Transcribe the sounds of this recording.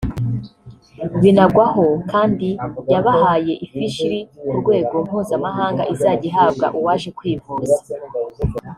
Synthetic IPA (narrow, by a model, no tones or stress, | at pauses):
βinabɡwaho̞kaːndijaβahaːje̞ʔifiʃiɾiuɾɡwe̞ːɡo̞m̥huːzamaɦaːŋɡaʔizaːɟiɦaːbɡa̰ʔuwaːʃe̞kwiːvuːza